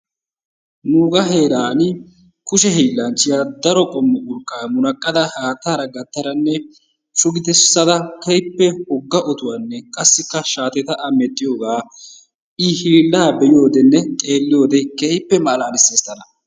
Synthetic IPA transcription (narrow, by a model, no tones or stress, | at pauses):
nuːɡɐɦe̞ːɾaːn | kʊʃɛhiːlːɐnt͡ʃːɪjaːd̪ɐɾɔkʼɔmːɔʔʊɾkʼːaːmʊnɐkʼːɐd̪ɐhaːt̪ːaːɾɐɡɐt̪ːɐɾɐnːɛ | ʃʊɡɪt̪ɛsːɐd̪ɐkejpːɛhɔɡːɐʔɔt̪ʊwanːɛkʼɐsːɪkːɐʃaːt̪ɛt̪ɐʔɐmɛt̪ʼːɪjo̞ːɡaː | ɪhiːlːaːbɛjo̞ːd̪ɛnːɛtʼeːlːɪjo̞ːd̪ɛkejpːɛmɐlaːnɪsːeːst̪ːɐnɐ